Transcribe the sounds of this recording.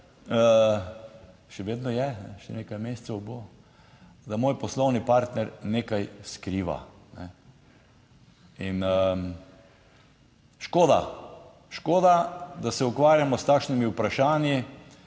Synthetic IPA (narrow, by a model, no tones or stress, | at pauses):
ʃɛʋeːd̪nɔjɛnɛʃɛ̰nekajmest̪sɛwbo | d̪amoːjpɔslɔwnipaɾt̪nɛɾneːkajskɾiːʋa̰nɛ̰ | inə | ʃkoːd̪a̰ | ʃkoːd̪ad̪asɛukʋaːɾjamɔst̪aːkʃnimiupɾaʃaːnji